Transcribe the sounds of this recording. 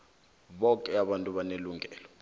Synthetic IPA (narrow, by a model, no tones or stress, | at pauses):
ɓɔkʼɛaɓantʼuɓaneluŋʱɛːlɔ